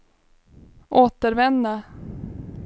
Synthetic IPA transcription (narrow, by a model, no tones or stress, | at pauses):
ʔoːt̪əɾvɛnd̪a